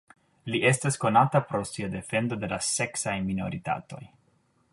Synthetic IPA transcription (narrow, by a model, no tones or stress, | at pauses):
liʔe̞stasko̞natapɾo̞siade̞fe̞ndode̞lase̞ksajmino̞ɾita̰to̞̰j